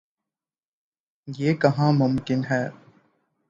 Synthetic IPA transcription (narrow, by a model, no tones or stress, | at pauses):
jeːkɐɦãːmʊmkɪnɦɛː